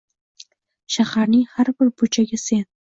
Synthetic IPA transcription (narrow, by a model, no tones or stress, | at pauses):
ʃahaɾnɪŋhaɾbɪɾbʊt͡ʃʰaɡʲase̞n